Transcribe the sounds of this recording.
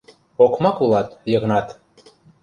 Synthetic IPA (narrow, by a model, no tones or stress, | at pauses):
okmɑkulˠɑt̪jɤ̆ɣnɑt̪